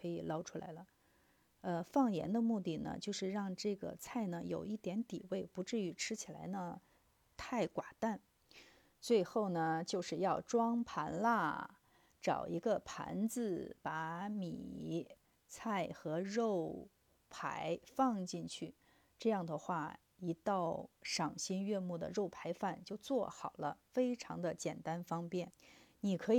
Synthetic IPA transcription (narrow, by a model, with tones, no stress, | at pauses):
kʰɤ˧˥i˨˩lɑ˥ʊʈ͡ʂʰu˥la̰˧˥ɪlə˧ | ə˧fɑ˥˩ŋjɛ̰˧˥nd̪ə˧mu˥˧t̪i˥˩nə̰˩t͡ɕjo˥˧ʊʂɻ̩˥˧ɻɑ˥˧ŋʈ͡ʂɤ˥˩ɡə̰˩t͡sʰa˥˩ɪnə˩jo˨˩ʊi˥˩t̪jɛ˧˥nt̪i˨˩we˥˩ɪpu˧˥ʈ͡ʂɻ̩˥˩y˧˥ʈ͡ʂʰɻ̩˥t͡ɕʰi˨˩la˧˥ɪnə˧ | t̪ʰa˥˩ɪkwa˨˩t̪a˥˩n | t͡swe˥˧ɪxo˥˩ʊnə˩t͡ɕjo˥˧ʊʂɻ̩˥˧jɑ˥˩ʊʈ͡ʂwɑ˥ŋpʰa˧˥nla˥˩ | ʈ͡ʂɑ̰˨˩ʊi˧˥ɡə˧pʰa̰˧˥nt͡sɹ̩˧pa˧˥mḭ˨˩ | t͡sʰa˥˩ɪxɤ˧˥ɻo˥˩ʊ | pʰa̰˧˥ɪfɑ˥˧ŋt͡ɕi˥˧nt͡ɕʰy˥˩ | ʈ͡ʂɤ˥˧jɑ˥˩ŋd̪ə˩xwa˥˩ | i˧˥t̪ɑ˥˩ʊʂɑ˨˩ŋɕi˥nɥɛ˥˧mu˥˩d̪ə̰˩ɻo˥˩ʊpʰa˧˥ɪfa˥˩nt͡ɕjo˥˧ʊt͡swɔ˥˩xɑ˨˩ʊlə˦fe˥ɪʈ͡ʂʰɑ̰˧˥ŋd̪ə˧t͡ɕjɛ˨˩nt̪a˥nfɑ˥ŋpjɛ˥˩nni˨˩kʰɤ˧˥˨